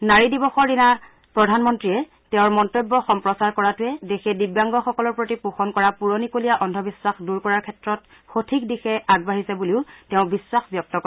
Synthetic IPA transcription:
naɹidibɔxɔɹdina | pɹɔdʱanmɔntɹiɛ | teʊ̃ɹmɔntobːɔxɔmpɹɔsaɹkɔɹatʊɛdexɛdibjaŋɡɔxɔkɔlɔɹpɹotipuxɔnkɔɹapuɹonikolijaʔɔndʱɔbiswaxduɹkɔɹaɹkʰɛtɹɔt̚ | xotʰikdixɛʔaɡ̚baɦisɛbuliʊteʊ̃biswaxbjɔk̚tɔkɔ

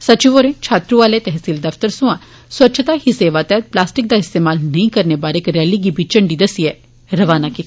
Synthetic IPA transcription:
sət͡ʃiʋoɾẽt͡ʃʰaːt̪ɾũʋaːleːt̪ɛɦsiːld̪əft̪əɾsʊ̃ã | swʋətːʃʰt̪aːɦiseːʋaːt̪ɛːplaːsʈɪk̚d̪aːɪst̪eːmaːlnəĩkəɾnebaːɾekɾɛːliɡiːbʱit͡ʃəɳɖiːd̪əsiɛ | ɾəʋaːnaːkit̪ː

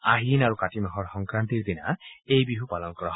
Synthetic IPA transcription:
aɦinaɹukatimaɦɔɹxɔŋkɹant̪iɹd̪ina̰ejbiɦupalɔnkɔɹɔɦ

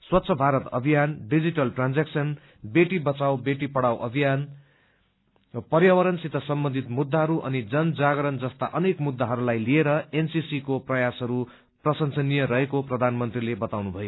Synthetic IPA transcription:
swʌt̪ːsʰʌbʱaɾʌt̪ʌ̰bʱijanɖid͡ziʈʌlʈrand͡zaksʌn | beʈibʌt͡sawbeʈipʌɽawʔʌbʱijan | pʌrjawʌɾʌnsit̪ʌsʌmbʌnd̪ʱit̪mud̪ːaɦʌɾuʔʌ̰nid͡zʌnd͡zaɡɾʌnd͡zʌst̪a̰ʔʌnekmud̪ːaɦʌɾulajlieɾʌensisikoprʌjasɦʌɾu | prʌsʌnsʌnːijʌɾʌɦekoprʌd̪ʱanmʌnt̪rilebʌt̪awnubʱʌjo

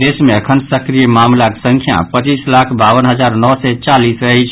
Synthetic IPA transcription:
d̪esmeəkʰənsəkɾijəmamlakesə̃ŋkʰja̰pət͡ʃislakʰbaʋənɦəd͡ʒaɾnɔɦsɛt͡ʃalisɾəɦɛt͡ʃʰ

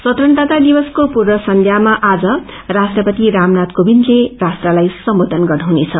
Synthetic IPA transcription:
sʌt̪rʌnd̪at̪ad̪ibʌskopurwʌsʌnd̪ʱjamaʔad͡zʌ | rasʈrʌpʌt̪iɾamnat̪kobinlerasʈralajsʌmbod̪ʱʌnɡʌnaɦunet͡sʰʌ

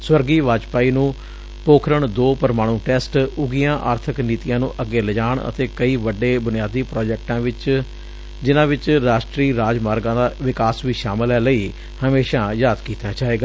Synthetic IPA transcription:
swəɾɡiːʋaːd͡ʒpaːiːnũː | poːkʰɾəɳd̪oːpəɾmaːɽ̃ũːʈɛːsʈʊɡijãːʔaːɾt̪ʰəkniːt̪ijãːnũːʔəɡeːləd͡ʒaːɳə̰t̪eːkəiːʋəɖːeːbʊnɪjaːd̪iːpɾɔːd͡ʒɛːk̚ʈãːʋɪt͡ʃ | d͡ʒɪnãːʋɪt͡ʃɾaːʃʈɾiːɾaːd͡ʒmaːɾɡãːd̪aːʋɪkaːsʋiːʃaːmɪlɛːləiː | həmeːʃãːjaːd̪kiːt̪aːd͡ʒaːeːɡaː

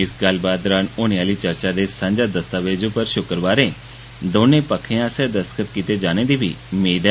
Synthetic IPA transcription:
ɪsɡəl̤baːd̪ɾaːnoːneaːliːt͡ʃəɾt͡ʃaːd̪eːsãːɲd͡ʒaːd̪əst̪aːʋeːd͡ʒõːpəɾʃʊkəɾʋaːɾẽː | d̪oːnẽːpəkʰːeãːsɛːd̪əskət̪̚kit̪eːd͡ʒaːneːd̪iːbʱḭːmeːd̪

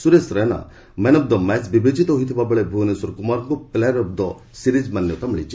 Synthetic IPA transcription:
suɾesɾɔjna̰ | mɛnɔb̚d̪ɔmɛt͡ʃbibed͡ʒit̪ɔɦojt̪ʰibabɔɭebʱunesɔɾkumaɾŋkuplɛɾɔb̚d̪ɔ | siɾid͡ʒmanjɔt̪amiɭit͡ʃʰi

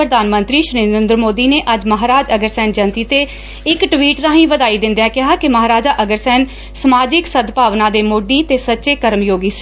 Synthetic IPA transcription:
ɾəd̪aːnmənt̪ɾiːʃɾiːnəɾẽnd̪ɾəmoːd̪iːneːʔəd͡ʒməɦaːɾaːd͡ʒəɡəɾsɛːnd͡ʒənt̪iːt̪eː | ɪkʈʋiːʈɾãːɦĩːʋəd̪aːiːd̪ɪ̃nd̪jãːkɪɦaːkɪməɦaːɾaːd͡ʒaːʔəɡəɾsɛːn | səmaːd͡ʒɪksəd̪paːʋnãːd̪eːmoːɖiːt̪eːsətːʃeːkəɾmjoːɡiːsi̥ː

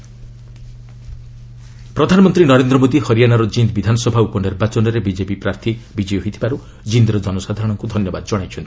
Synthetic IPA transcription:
pɾɔd̪ʱanɔmɔnt̪ɾinɔɾend̪ɾɔmod̪ihɔɾijanaɾɔd͡ʒind̪bid̪ʱanɔsɔbʱaupɔniɾbat͡ʃɔnɔɾebid͡ʒepipɾaɾt̪ʰibid͡ʒɔjɦoijt̪ʰibaɾu | d͡ʒind̪ɾɔd͡ʒɔnɔsad̪ʱaɾɔɽ̃ɔŋkud̪ʱɔnjɔbad̪ɔd͡ʒɔɽ̃ajt͡ʃʰɔnt̪i̥

